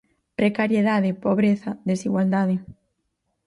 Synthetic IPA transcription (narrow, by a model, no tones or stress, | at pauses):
pɾekaɾjeðaðɪpoβɾeθaðesiɣwald̪aðɪ